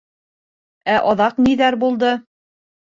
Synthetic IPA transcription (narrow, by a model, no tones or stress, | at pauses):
æʔɑðɑqniðæɾbulˠd̪ɤ